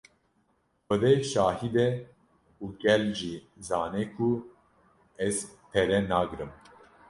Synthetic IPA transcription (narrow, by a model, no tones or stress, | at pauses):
xəd̪eʃɑːhid̪ɛ | uːɡɛlʒi | zɑːnɛkʰu | ɛzt̪ʰɛɾɛnaːɡɨɾɨm